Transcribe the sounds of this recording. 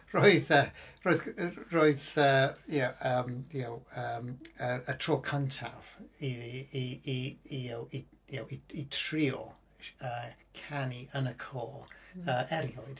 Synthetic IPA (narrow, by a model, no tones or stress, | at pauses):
roːɨðəroɨðroɨðəjaəːmjɛwəməətʰr̥ɔːkʰəntʰa̰v̥iiiiiɛwijawiitʰriɔ | əːkʰaniənəkʰɔːəɛɾjɔɨd̥